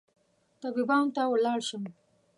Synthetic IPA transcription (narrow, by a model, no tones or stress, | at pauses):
t̪abibɑnt̪awəlɑːɽʃəm